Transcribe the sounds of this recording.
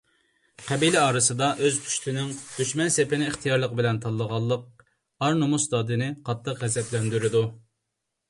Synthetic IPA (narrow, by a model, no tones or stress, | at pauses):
qʰɛbilɪɑːɾɨsɨd̪ɑʔøzpʰy̥ʃt̪ʰɪnɪŋd̪̥yʃmɛnsepɪnɪːχt̪ʰijɑɾlˠəqəbɪlɛnt̪ʰɑlˠːəʁɑlˠːəq̚ | ɑɾnumusd̪ɑd̪ɨnɨqʰɑt̪ʰːəqʁɛzɛplɛnd̪yɾɪd̪u